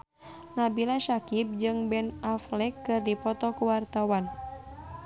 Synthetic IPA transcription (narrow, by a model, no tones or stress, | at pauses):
nabilaʃakip̚d͡ʒɨŋbɛnaflɛkːɨrdipɔt̪ɔkuwart̪awan